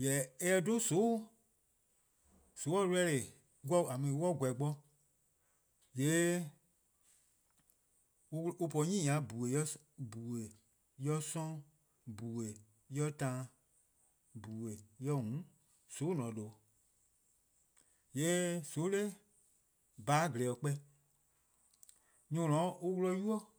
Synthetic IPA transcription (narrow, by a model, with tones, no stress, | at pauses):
jɛ˨ɛ˦ɛ˧do˦so˨˦ | so˨˦ɔ˦lɛ˧˦le˨ | ɡʷɔ˦˨a˨mĩ˧˨˦wɔ˦˨ɡʷɛ˨ɡ͡bɔ˧ | je˨˦˧ | u˧pɔ˧˦ɲĩ˦ɲã˨˦bu˨we˨ɔ˦ | bu˨we˨ | jɔ˦sɔ̃˦ | bu˨we˨ | jɔ˦tã˦ | bu˨we˨jɔ˧˦ŋũ˨˦ | so˨˦nɔ̃˨˦lo˨˦ | je˨˦so˨˦le˦ | baː˨˦ɡlɛ˨ɔ˨k͡pɛ˧˦ | ɲũ˦˨lɔ̃˨˦u˧wlɔ˧˦ju˦ɔ˦